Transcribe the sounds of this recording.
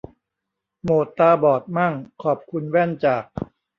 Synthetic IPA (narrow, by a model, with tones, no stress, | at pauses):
moː˨˩t̪ːaː˧bɔː˨˩t̪̚ma˥˩ŋkʰɔː˨˩p̚kʰu˧nwɛ˥˩nt͡ɕaː˨˩k̚